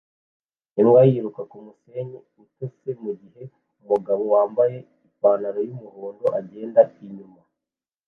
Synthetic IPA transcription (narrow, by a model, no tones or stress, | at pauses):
imwajiɾukakumuse̞ɲe | itose̞muɟiɦe̞ | umuɡaβowaːmbaje̞ | ipaːnaɾojumuhoːndo̞ʔaɟe̞ːndaiɲuma